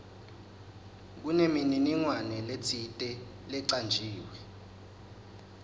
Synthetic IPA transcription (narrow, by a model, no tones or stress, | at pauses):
k̬unemininiŋwanɛlet͡sʰitʼɛ | lɛǀand͡ʒʱiːwɛ